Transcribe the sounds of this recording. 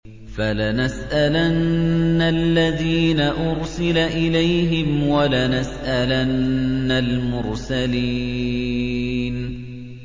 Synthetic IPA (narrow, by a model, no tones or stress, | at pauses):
falanasʔalanːalːaðiːnaʔʊɾsɪlaʔɪlajɦɪmwalanasʔalanːalmʊɾsaliː | n